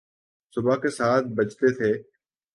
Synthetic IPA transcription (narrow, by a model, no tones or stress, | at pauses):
sʊbʱaːkeːsaːt̪̚bət͡ʃt̪eːt̪ʰeː